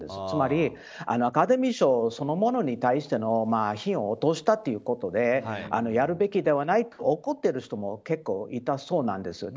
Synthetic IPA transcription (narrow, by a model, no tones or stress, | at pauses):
d̪e̞̰sɨ̥t͡sɨmaɾʲi | a̰noakad̪e̞mʲiɕo̞ːso̞no̞mo̞no̞ɲ̟it̪aiɕi̥t̪e̞no̞maːçĩɰ̃o̞ːt̪o̞ɕi̥t̪at̪ːe̞jɯ̟ko̞t̪o̞d̪e̞a̰no̞jaɾɯ̟be̞kʲid̪e̞β̞anait̪oʔoko̞t̪ːe̞ɾɯ̟ɕi̥t̪o̞mo̞ke̞kːo̞ːit̪aso̞ːnã̰nd̪e̞sɨd̪